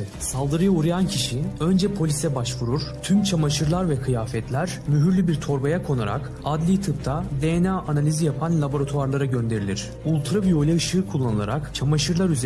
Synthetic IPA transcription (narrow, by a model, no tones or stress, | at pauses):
salˠd̪ɯɾɯjauɾajancʰiʃiø̞nd͡ʒɛpʰo̞lʲisɛbaʃvuɾuɾ̥t̪ʰymt͡ʃʰamaʃɯɾlˠaɾvɛkʰɯjaːfɛt̪lʲæɾ | myɦyɾlʲybiɾt̪ʰo̞ɾbajakʰo̞naɾa̰k | ad̪lʲit̪ʰɯp̚t̪ʰad̪ejenaːʔanalʲizijapʰanlʲˠabo̞ɾat̪ʰuaɾlˠaɾaɟø̞nd̪e̞ɾilʲiɾ̝̥ | ulˠt̪ʰɾɯpjo̞lʲɛɯʃɯːkʰulˠːanɯlˠa̰ɾakt͡ʃʰamaʃɯɾlˠaɾyze